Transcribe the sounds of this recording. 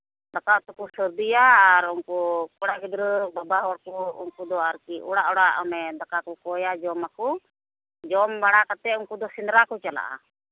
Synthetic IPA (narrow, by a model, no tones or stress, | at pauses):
d̪akaɔt̪ɔkusəɾd̪ijaːɾɔŋkukɔɽaɡid̪ɾəbabaɦɔɽkuṵnkud̪ɔaɾkiuɽaʔɔɽaʔamɛd̪akakukɔjad͡ʒɔmaku | d͡ʒɔmbaɽakat̪ɛuŋkud̪ɔsind̪ɾakut͡ʃala̰ʔa̰